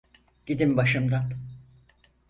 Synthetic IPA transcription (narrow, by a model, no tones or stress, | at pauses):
ɟ̥id̪imbaʃɯmd̪an